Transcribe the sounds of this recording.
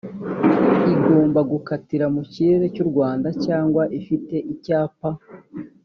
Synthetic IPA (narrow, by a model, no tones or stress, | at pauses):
iɡo̞ːmbaɡukatiɾamuciɾeɾe̞cuɾɡwaːndacaːŋɡwaʔifite̞ʔicaːpa